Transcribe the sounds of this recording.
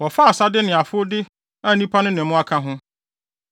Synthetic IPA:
wɔ˨fa˦a˨sa˦dɪ˦nɪ̃˨a˨fʊ˦o˦dɪ˦ | a˦nĩ˦pʰa˦nʊ̃˦nɪ̃˨mʊ̃˦a˦kʰã˦ɦʊ̃˦

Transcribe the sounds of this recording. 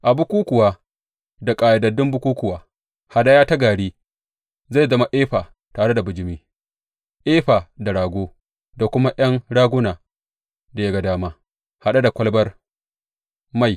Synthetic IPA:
ʔa˨bʊ˦kʷuː˦kʷʊ˨waː˨ | da˨kʼaː˨ja˨dɐ˨dɪ˦mbʊ˦kʷuː˦kʷʊ˨waː˨ | ha˨ɗa˦jaː˦ta˦ɡaː˨ɽiː˦ | za˦˨zɐ˦ma˨ʔeː˦ɸaː˨ | taː˨ɽe˦da˨bʊ˨d͡ʒɪ˦miː˦ | ʔeː˦ɸa˨da˨ɽaː˨ɡʷoː˦ | da˨kʷʊ˦ma˦ʔɐ˦ŋɽaː˦ɡʷʊ˦naː˨ | da˨ja˦ɡa˨daː˦maː˦ | ha˨ɗa˦da˨kʷɐ˦lbɐ˦r | ma˦˨j

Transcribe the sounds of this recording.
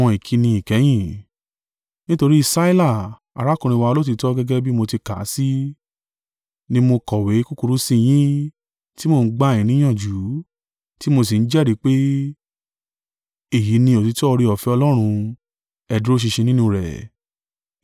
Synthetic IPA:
ɔ̃˧i˨kʰi˧˦nĩ˧i˨kɛ˨˦j̃ĩ˦˨ | nĩ˦to˧ɾi˦i˦˧˨sa˦i˦la˦˨ | a̰˨ɾa˨˦kũ˧ɾ̃ĩ˧wa˧o˧lo˦t̬i˧tɔ˦ɡɛ˦ɡɛ˦bi˦mo˧ti˧ka̰˨˦si˦ | nĩ˦mo˧kɔ˨we˨˦ku˦ku˧ɾu˨˦sĩ˦˧j̃ĩ˦ | ti˦mo˦˧˨n̩˦ɡ͡ba˦˨ĩ˨nĩ˨˦ã˦˨d͡ʒu˨˦ | ti˦mo˧s̬i˨n̩˦d͡ʒɛ˦˨ɾi˨˦k͡pe˦ | e˦˨ji˨˦nĩ˧o˨ti˨˧tɔ˦˧ɾi˧ɔ˨fɛ˨˦ɔ˧lɔ˦ɾ̃ũ˧ | ɛ˨dɾo˦ʃ̬i˧ʃẽ˧nĩ˦nũ˧ɾɛ̰˨

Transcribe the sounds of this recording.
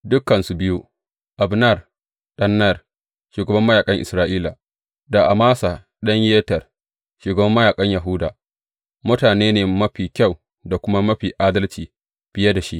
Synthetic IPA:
dʊ˦kːɐ˨nsu˦bɪ˦ju˦ | ʔa˨bnɐ˦˨r | ɗɐ˦nːɐ˦˨r | ʃuː˨ɡɐ˨bɐ˦mːɐ˦jaː˨kʼɐ˦ŋʔɪ̰˨sɾaː˦ʔiː˦la˨ | da˨ʔa˨maː˦sa˨ | ɗɐ˦ɲjeː˦tɐ˨r | ʃuː˨ɡɐ˨bɐ˦mːɐ˦jaː˨kʼɐ˦ɲja˨ɦʊ˦da̰ː˨ | mʊ˦taː˨neː˦neː˨mɐ˦ɸiː˨kʲa˦˨w | da˨kʷʊ˦ma˦mɐ˦ɸiː˨ʔaː˦dɐ˦lt͡ʃiː˨ | b̥ɪ˦jɐ˦da˨ʃi˦ʔ

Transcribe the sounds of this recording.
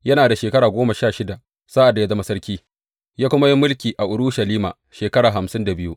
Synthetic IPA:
jɐ˦naː˨da˨ʃeː˨kɐ˦ɽaː˨ɡʷoː˦ma˨ʃaː˦˨ʃɪ˦da˨ | saː˦ʔa˨da˨ja˦zɐ˦ma˦sɐ˦ɾkʲiː˦ | jaː˦kʷʊ˦ma˦ji˦mːʊ˦lkʲiː˨ʔa˨ʔʊ˨ɽʊ˦ʃɐ˨liː˦ma̰ː˨ | ʃeː˨kɐ˦ɽaː˨ɦa˨msɪ˦nda˨bɪ˦ju˦ʔ

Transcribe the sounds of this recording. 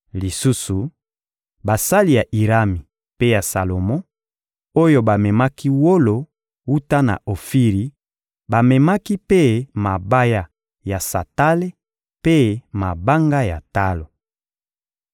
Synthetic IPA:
li˨su˦su˨ | ba˨sa˦li˦ja˨ʔi˨ʁa˦mi˨ | pe˦ja˨sa˨lo˨mɔ̃˦ | o˦jo˦ba˨mɛ˨ma˦ki˦wo˦lo˨ | wu˦ta˦na̰˨o˨fi˦ʁi˨ | ba˨mɛ˨ma˦ki˦pe˦ma˨ba˦ja˦ | ja˨sa̰˨ta˦le˦ | pe˦ma˨ba˦ŋɡa˦ja̰˨ta˦lo˨

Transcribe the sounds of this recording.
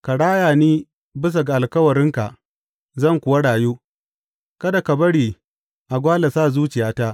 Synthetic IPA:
ka˨ɽaː˦jaː˨niː˦ | bɪ˦s̬a˨ɡa˨ʔa˨lkɐ˦wɐ˨ɽɪ˦ŋka̰˨ʔ | zɐ˦˨ŋkʷʊ˨wa˦ɽaː˨juː˦ | kɐ˦da˨ka˨bɐ˦ɽiː˨ | ʔa˨ɡʷaː˦la˨saː˦˨zuː˦t͡ʃɪ˨jaː˦taː˦ʔ

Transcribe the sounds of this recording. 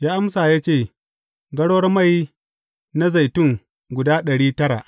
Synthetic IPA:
jaː˦ʔa˦msaː˨jaː˦t͡ʃeː˦˨ | ɡɐ˦ɽwɐ˦rma˦˨j | na˦za˨jtʊ˦ŋ | ɡʷʊ˨daː˦ɗɐ˨ɽiː˦tɐ˦ɽa̰˨ʔ

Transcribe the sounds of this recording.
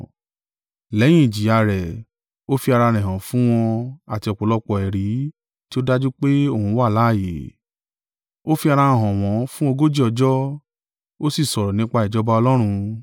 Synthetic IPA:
lɛ˨˦j̃ĩ˦ĩ˨d͡ʒi˨˦a˧ɾɛ˨ | o˦fi˧a˧ɾa˧ɾ̃ɛ̃˨ɦã˨fũ˦w̃ɔ̃˧a˨ti˧ɔ˨k͡po˨˦lɔ˧k͡pɔ˨ɛ˨ɾi˨˦ | ti˦o˦da˦d͡ʒu˦k͡pe˦o˦˨hũ˨˦wa˦˨la˨˦˨je˨˦ | o˦fi˧a˧ɾã˧˨ɦɔ̃˨w̃ɔ̃˨˦fũ˦o˧ɡo˦d͡ʒi˦ɔ˧d͡ʒɔ˦ | o˦si˦˨sɔ˨ɾɔ˨nĩ˨˦k͡pa˧i˨d͡ʒɔ˦ba˧˦ɔ˧lɔ˦ɾ̃ũ˧

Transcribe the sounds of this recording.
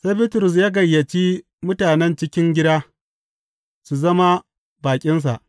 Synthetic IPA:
se˦bɪ˦tʊ˨ɾʊ˨s̬jaː˦ɡɐ˨jːɐ˨t͡ʃiː˦ | mʊ˦taː˨nɛ˦nt͡ʃɪ˦kʲɪ˦ŋɡʲɪ˦daː˦ | su˨zɐ˦ma˦ | baː˨kʲʼɪ˦ns̬a̰˨ʔ

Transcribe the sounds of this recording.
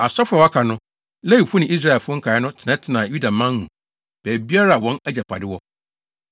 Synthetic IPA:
a˨sɔ˦fʊ˦a˨wa˦kʰa˨nʊ̃˦ | lɛ˦ji˨fʊ˦nɪ̃˨i˦s̬ɾa˦ɛ˨lfʊ˦ŋ̩˦kʰa˨˦ɪ˦nʊ̃˦tʰɪ˨nɛ̃˦tʰɪ˨nã˨ju˦da˨mã˦n˦hũ˨ | b̥ɛː˨bi˦a˦ɾa˦˨wɔ̃˦næ˦d͡ʑɛ˨pʰa̰˨dɪ˦wɔ˦

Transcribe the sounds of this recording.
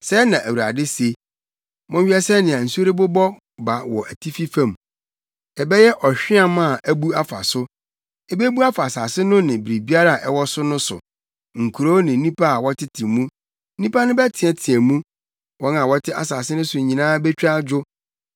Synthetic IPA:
sɛ˦nã˨ʔæ˨wu˨ɾa̰˨dɪ˦se˨ | mɔ̃˦ɥᶣɛ˦sɛ˦nɪ̃˨ã˨n̩˨su˦o˦ɾi˦bʊ˦bɔ˦ | ba˨wɔ˨ʔæ˨tʰi˦fi˦fã˨m | ɛ˨bɛ˦jɛ˦ʔɔ˨ɕᶣɪ̃˦a˦mã˦˨ʔæ˦bu˦a˦fa̰˨sʊ˦ | ɛ˦bɛ˦bu˦a˦fa˨saː˨sɪ˦nʊ̃˦nɪ̃˨bɾi˨bi˦a˦ɾa˨ʔɛ˨wɔ˦sʊ˦nʊ̃˦sʊ̰˨ | ŋ̩˨kʰu˨ɾo˦nɪ̃˨˦nĩ˦pʰa˦˨wɔ˦tʰɪ˦tʰɪ˨mũ˦ | nĩ˦pa˦nʊ̃˦bɛ˦tʰɪ̃˨ɛ̃˦tʰɪ˨æ˨mũ˦ | wɔ˦nã˨wɔ˦tʰɪ˦a̰˨saː˨sɪ˦nʊ̃˦sʊ˨ɲĩ˨nãː˦bɛ˦t͡ɕᶣɾa˦d͡ʑᶣʊ˦

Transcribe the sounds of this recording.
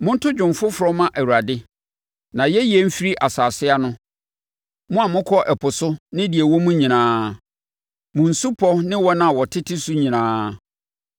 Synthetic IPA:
mʊ̃˦n̩˦tʰʊ˦d͡ʑᶣʊ̃˨mfʊ˦fʊ˨ɾɔ˦mã˦ʔæ˨wu˨a˨dɪ˦ | nã˨jɛ˦jɛ˦m̩˦fi˦ɾi˦ʔa˨saː˨sɪ˦a˦nʊ̃˦ | mʊ̃˦a˨mʊ̃˦kʰɔ˦ʔɛ˨pʰʊ˨sʊ˦nɪ̃˦di˨e˨wɔ˦mũ˦ɲĩ˨nãː˦ | mʊ̃˨n̩˨su˦pʰɔ˦nɪ̃˦wɔ˦nã˦˨wɔ˨tʰɪ˦tʰɪ˦su˦ɲĩ˨nãː˦

